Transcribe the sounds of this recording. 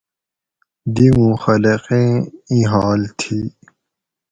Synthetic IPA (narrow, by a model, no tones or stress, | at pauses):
d̪imũxɐleqẽĩɦaːlt̪ʰi